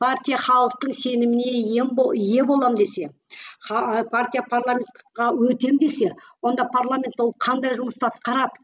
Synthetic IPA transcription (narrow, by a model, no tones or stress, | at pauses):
pʰaɾt̪ʲijaχɑlˠəq̚t̪əɴse̞nɪmɪne̞jemoje̞bo̞lˠɑmd̪e̞se̞ | χɑpʰart̪ʲijapʰaɾlˠamʲe̞nt̪qɑwɵt̪e̞md̪e̞se̞wo̞nd̪ɑpʰaɾlˠamʲe̞nt̪ːwo̞lˠqʰɑnd̪ɑjʒʊməst̪ɑt̪qɑɾɑd̪ə